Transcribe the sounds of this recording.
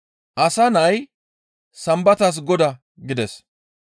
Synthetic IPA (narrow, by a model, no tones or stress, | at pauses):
ʔɐsɐnɐj | sɐmbɐt̪ɐs̬ɡɔd̪ɐ | ɡɪd̪ɛs